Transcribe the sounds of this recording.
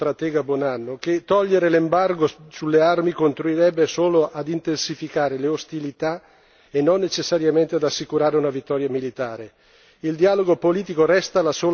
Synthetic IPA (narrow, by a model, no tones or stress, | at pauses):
t̪ɾat̪ɛːɡabwɔnanːoket̪ːɔʎːeɾelembarɡosulːearmikont̪ɾuirɾɛbːesoːloʔad̪int̪ensifikaːɾeleost̪ilit̪a | enːonːet͡ʃesːaɾjament̪ead̪asːikuɾaːɾeunavit̪ːɔːɾjamilit̪aːɾe | ild̪ialoɡopoliːt̪ikoɾɛst̪alasoː